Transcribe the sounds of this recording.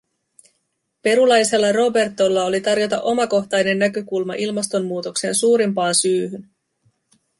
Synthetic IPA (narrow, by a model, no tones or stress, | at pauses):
pe̞ɾulɑjse̞lːɑro̞be̞rt̪o̞lːɑo̞lit̪ɑrjo̞t̪ɑʔo̞mɑko̞xt̪ɑjne̞nːækøkulmɑʔilmɑst̪o̞mːuːt̪o̞kse̞̰ːnsuːɾimpɑːnsyːɦyn